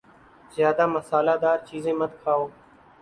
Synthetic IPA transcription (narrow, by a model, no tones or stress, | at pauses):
zjaːd̪aːməsaːlaːd̪aːɾt͡ʃiːzẽːmət̪kʰaːoː